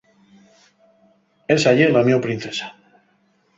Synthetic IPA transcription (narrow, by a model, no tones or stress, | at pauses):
esaʝeɾlamjopɾin̟θesḁ